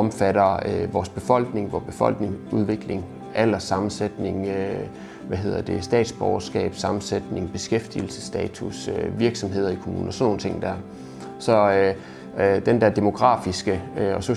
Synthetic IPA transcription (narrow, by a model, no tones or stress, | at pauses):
ɒmfæɾɐøʋɒːsb̥e̝fɒ̽l̰ɡ̥ne̝ŋʋɒːb̥e̝fɒ̽l̰ɡ̥ne̝ŋuð̞ˠʋe̝ɡ̥le̝ŋ | ælɐsɑ̈mn̩sed̥ne̝ŋø | ʋæɦe̝ð̰ˠɐd̥e̝sd̥ɛ̰ːd̥sb̥ɒʊɐsɡ̥ɛ̰ːb̥sɑ̈mn̩sed̥ne̝ŋb̥e̝sɡ̥efd̥il̩sə̥sd̥ɛːt͡sʰusøʋiɐɡ̥sɒ̽mɦe̝ð̞̰ˠɐikʰo̝mṵːnɒsnːo̝ːn̩t͡sʰe̝ŋd̥æɐ̰ | sɒ̽ø | d̥end̥æɐd̥e̝mo̝ɡ̥ʁɑ̰̈ːfisɡ̥əøɒ̽so